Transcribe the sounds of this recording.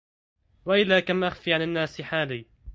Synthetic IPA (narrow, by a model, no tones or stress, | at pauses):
waʔɪlːaːkamʔaxfiːʕananːaːsɪħaːliː